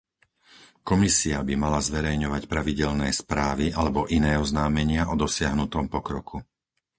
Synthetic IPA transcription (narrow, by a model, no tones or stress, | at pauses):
kɔmisiabimalazʋɛɾɛjɲɔʋacpɾaʋiɟɛlnɛːspɾaːʋiʔalɛbɔʔinɛːɔznaːmɛɲɪaʔɔd̪ɔsɪaɦnut̪ɔmpɔkɾɔkʰu